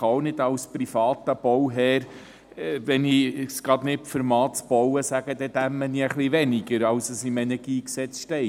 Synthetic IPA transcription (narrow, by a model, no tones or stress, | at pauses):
ownɪdɑwsprifɑːt̪əb̥ɔwɦɛːɾ | vɛnisɡ̥ɾɑd̪nɪpfəɾmɑːtt͡sb̥ɔwəsæɡ̥əd̥̪ɛd̪æmːəniəχlivɛniɡəɾɑwsəsimɛnɛɾɡ̥iːksɛt͡sʃtɛɪ